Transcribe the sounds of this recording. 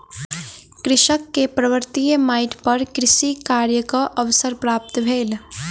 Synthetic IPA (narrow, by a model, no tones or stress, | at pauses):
kɾɪʃəkːepɾəʋəɾt̪iːjəmaːɪʈpɐɾkɾɪʃikaːɾjəkaʔəʋsəɾpɾaːp̚t̪bʱeːl